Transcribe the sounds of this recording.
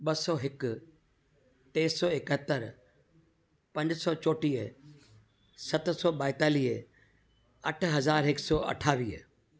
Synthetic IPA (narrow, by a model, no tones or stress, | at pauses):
ɓɐsɔːɦɪkʊ | ʈ̪eːsɔːɪkət̪əɾ | pɐ̃ɲd͡ʑsɔːt͡ɕoːʈiːə | sɐt̪̆sɔːɓaːɪt̪aːliːɦ | ɐʈʰɦɐzaːɾɦɪksɔːʔɐ̰ʈʰaːʋiːə̰